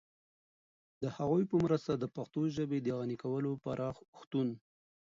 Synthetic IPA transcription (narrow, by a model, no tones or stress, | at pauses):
d̪əhaɣujpəmɾəst̪ad̪əpaxt̪oʒəbed̪əɣanikawəlopaɾʔɑxʊxt̪un